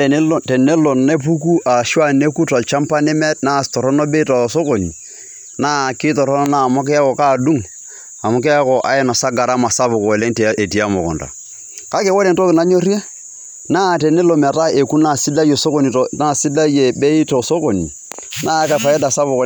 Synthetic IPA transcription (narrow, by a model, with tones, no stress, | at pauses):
tɛ˨ne˦lo˨nːe˦p̬u˦k̬u˦ʔa˨ʃwa˦ne˦ku˦ta˨lt͡ʃa˦mpa˦ne˦mɛ˦tna˦˨tɔ˨ɾɔ˦no˦be˦i˦ta˨so˦ko˨ni˨ | naː˦˨kɪ˦tɔ˨ɾɔ˦nɔ˦na˦˨mɔ˦k̬ɛ˦a˦kɔ˨ka˦˨du˦ŋ | a˨mʊ˨˦k̬ɛ˦a˦kɔ˨ʔa̰˦ɛ˦na˨sa˦ɡa˨ɾa˦ma˨sa˦bʊ˨kɔ˨le˦ŋtʔe˨ti˨a˦mɔ̰˨kɔ̰˨nta̰˨ | ka˦kɛ˨˦wo˦le˨nto˦kɪ˨na˦ɲo˦rje˦ | naː˦˨tɛ˨ne˦lo˨mɛ˨ta˦ʔe˨ku˦na˦˨si˦da˦je˨so˦ko˦ni˨tna˦sɪ˦da˦je˨be˦i˦to˨so˦ko˨ni˨ | na˦ka˨fa˨jɛ˦da˨sa˦bʊ˨kɔ˨